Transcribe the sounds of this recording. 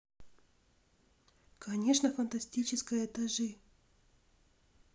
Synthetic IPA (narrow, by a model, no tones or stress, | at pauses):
kɐnʲe̞ʂnəfɐnt̪ɐsʲtʲit͡ɕɪskəjəɛt̪ɐʐɨ